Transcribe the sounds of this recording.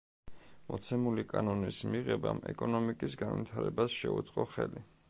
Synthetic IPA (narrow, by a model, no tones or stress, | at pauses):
mɔt̪sʰɛmulikʼanɔnismiʁɛbamɛkʼɔnɔmikʼisɡanvit̪ʰaɾɛbasʃɛut̪sʼqʼɔχɛli